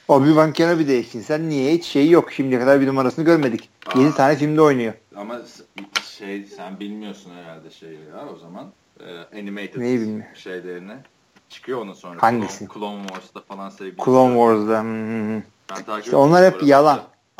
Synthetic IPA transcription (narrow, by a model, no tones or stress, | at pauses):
obivaŋcʰanobid̪ejeʃʰinsænːijɛit͡ʃʃe̞jijo̞kʃimd̪ijɛkad̪aɾbinumaɾasɯnɯɟøɾme̞d̪ic | jed̪it̪ʰaːnɛfilʲmd̪ɛo̞jnujo | ama | ʃejsænbilʲmijosunheɾalʲd̪ɛʃejvaɾo̞zaman | ɛːenimene̞jibilʲmijʃejlʲeɾinɛ | t͡ʃʰɯ̥kʰɯjoonasonhand̪isikʰlˠomvoɾzd̪afalˠansevɡʲikʰulˠomvoɾzd̪ahɯhɯ̃hɯ | o̞nlˠaɾhepbijalˠan